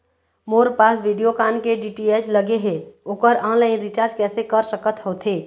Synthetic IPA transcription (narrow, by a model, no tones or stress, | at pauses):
moːɾpaːsʋiːɖijokaːnkeɖiːʈieːd͡ʒləɡeɦeoːkəɾɔ̃ːnlaːɪnɾɪt͡ʃaːɾd͡ʒkɛːsekəɾsəkət̪hoːt̪ɦeː